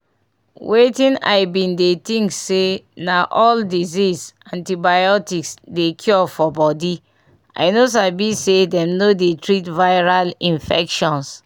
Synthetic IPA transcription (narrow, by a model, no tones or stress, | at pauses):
wʔetĩna̰ɪbĩndetĩŋksenaʔɔldizisãntibajɔtiksdekʰjɔfɔbɔdi | ʔa̰ɪnos̬abisedɛ̃mnodetɹitvaɪɹalĩnfɛ̰kʃɔ̃ns